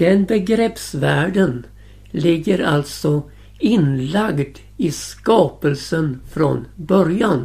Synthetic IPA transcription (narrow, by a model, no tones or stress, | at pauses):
d̪̥ɛnbɛɡɾɛpsvæːɖən | lɪɡːəɾa̰lt̪sɔ | ɪnlaɡd̪ | ɪskɑːpəlsənfɾo̰nbœɾjan